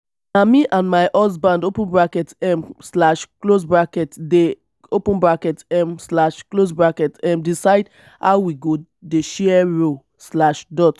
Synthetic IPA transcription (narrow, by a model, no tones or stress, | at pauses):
namiʔãnmaɪʔɔs̬bãndopũnbɹakɛtɛmslaʃklosbɹakɛtde | opə̃nbɹakɛtɛmslaʃklosbɹakɛtɛ̃mdisaɪd | haʊwiɡo | deʃɛɛɹo | slaʃdɔt